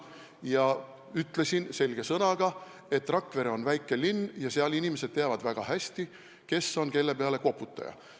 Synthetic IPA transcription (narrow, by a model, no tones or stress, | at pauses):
jɑ | yt̪ːˑle̞sinse̞lʲɡ̥e̞sɤnɑɡ̥ɑ | e̞t̪ːˑrɑkːve̞ɾeo̞nvæjkːˑe̞lːinːjɑseɑlinimese̞d̪̥̚t̪ːeɑvɑd̪̥væɡ̥ɑhæsʲt̪i | ke̞sːo̞nke̞lːe̞peɑle̞ko̞pːˑut̪ˑːɑ̰jɑ̰